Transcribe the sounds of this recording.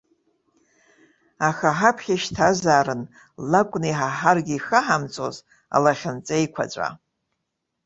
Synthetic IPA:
axaħapʰχʲaʃtʰazaːɾɨn | lakʷʼniħaħarɡʲiixaħamt͡sʼo̰z | a̰laχʲant͡sʼejkʷʰa̰t͡ɕʷʼa̰

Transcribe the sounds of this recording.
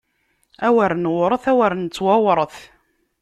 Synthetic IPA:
æwəɾnwɾˤəθæwəɾnt͡sːwawɾˤəθ

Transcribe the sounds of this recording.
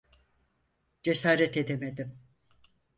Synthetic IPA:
d͡ʒesaːɾɛt̪e̞d̪emed̪im

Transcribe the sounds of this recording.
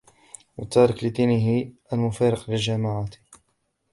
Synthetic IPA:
wɑ̰t̪ːɑːɾˤɑklɪt̪iːnɪɦɪʔalmʊfɑɾɪqlɪlʒamaʕat̪

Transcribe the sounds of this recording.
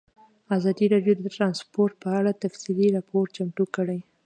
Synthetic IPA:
azɑd̪iɾɑɖjod̪əʈɾɑnspoɾʈ̪̚pəaɽat̪afsiliɾɑpoɾt͡ʃamʈukəɽəj

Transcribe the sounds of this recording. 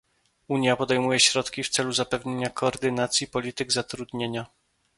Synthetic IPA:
uɲjapɔd̪ɛjmujɛɕɾɔt̪kʲift̪sɛluzapɛvɲeɲakɔːɾd̪ɘnat̪sʲjipɔlʲit̪ɘɡzat̪ɾud̪ɲeɲa

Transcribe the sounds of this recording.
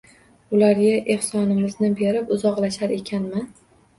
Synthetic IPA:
ʊlaɾɡʲaʔe̞hsɒnɪmɪznɪbe̞ɾɪpʊzɒqlaʃaɾe̞kʲʰanmɪ

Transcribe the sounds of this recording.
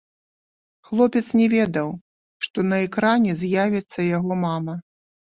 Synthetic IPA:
xlˠɔpʲɛt̪snʲɛvʲɛd̪ɐw | ʂt̪ɔnɐɛkɾanʲɛzʲjavʲɛt̪sːɐjaɣɔmamɐ

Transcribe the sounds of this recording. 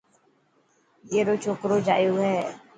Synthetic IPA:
jeːɾoːt͡ʃʰoːkɾoːd͡ʒa̰ːjoːɦɛː

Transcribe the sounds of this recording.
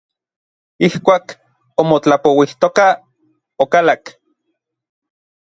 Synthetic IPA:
ihkʷaːk | omot͡ɬapowiht̪oka | okalak

